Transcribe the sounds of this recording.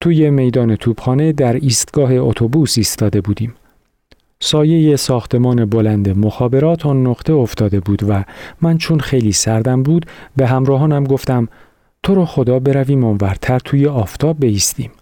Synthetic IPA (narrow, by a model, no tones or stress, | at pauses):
t̪ʰuːje̞me̞jd̪ɒːne̞t̪ʰuːb̥xɒːne̞d̪æɾiːst̪ɡ̥ɒːɦe̞ot̪ʰo̞buːsiːst̪ɒːd̪e̞buːd̪iːm | sɒːje̞jesɒːxt̪ʰe̞mɒːne̞bo̞lænd̪e̞moxɒːbe̞ɾɒːt̪ʰɒːnːoʁt̪ʰe̞oft̪ɒːd̪e̞buːd̪væmænt͡ʃʰonxe̞jliːsæɾd̪æmbuːd̪be̞ɦæmɾɒːɦɒːnæmɡo̞ft̪æm | t̪ʰo̞ɾɒːxo̞d̪ɒːbe̞ɾæviːmoːnvæɾt̪ʰæɾt̪ʰuːje̞ɒːft̪ʰɒːb̚ːe̞iːst̪iːm